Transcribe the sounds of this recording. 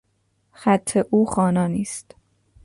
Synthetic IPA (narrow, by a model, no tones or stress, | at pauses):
xæt̪ʰːeʔuːxɒːnɒːniːst̪